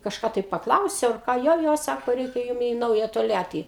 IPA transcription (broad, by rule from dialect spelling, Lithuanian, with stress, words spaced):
kɐʃˈkɑː tɐɪ pɐkˈlˠɐʊsʲɛʊ ɐr ˈkɑː ˈjoː ˈjoː ˈsɑːkoː ˈrʲɛɪkʲɛ ˈjʊm iː ˈnɐʊjɛ toːlʲˈjæːtʲiː